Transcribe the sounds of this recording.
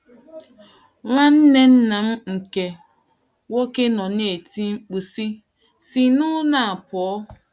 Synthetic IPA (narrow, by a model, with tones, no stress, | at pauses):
ŋʷa˦n̩˦ne˦n̩˦na˨m̩˦ŋ̩˨ke˨ | wo˦ke˦nɔ˨ne˨ti˦ŋ͡m̩˦k͡pu˨si˦ | si˨nʊ˦na˨a˨pɔ˨ɔ˦